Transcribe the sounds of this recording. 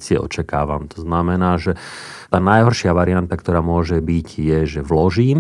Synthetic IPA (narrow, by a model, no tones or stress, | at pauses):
t͡sɪɛʔɔ̰t͡ʃakaːʋa̰mt̪ɔ̥znamɛnaːʒɛ | t̪aːnajɦɔɾʃɪaʋaɾiant̪akt̪ɔɾaːmʊɔʒɛbiɟjɛʒɛʋlɔʒiːm